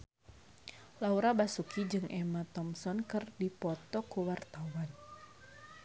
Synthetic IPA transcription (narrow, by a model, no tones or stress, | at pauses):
lauɾabasukʰid͡ʒɨŋʔɛmat̪ɔmsɔnkɨrdipɔt̪ɔkuwart̪awan